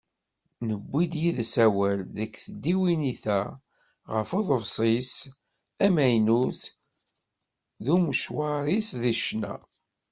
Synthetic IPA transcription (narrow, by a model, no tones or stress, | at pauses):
nəbʷːid̪jiðsæwælðækːθəd̪ːiwiniθæ | ʁəfoðˤəvsˤis | æmæjnuθ | ðuməʃwɑɾˤisðiʃnæ̰